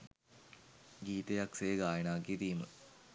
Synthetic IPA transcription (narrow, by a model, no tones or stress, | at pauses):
ɡiːt̪ejaksejɡaːjɐnaːkːit̪iːmə̰